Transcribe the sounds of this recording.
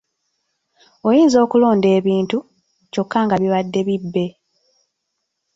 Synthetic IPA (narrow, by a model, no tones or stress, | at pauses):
o̞jiːnzo̞ːkulo̞ːnde̞ːβiːntu | co̞kːaŋɡaβiβadːe̞βibːe̞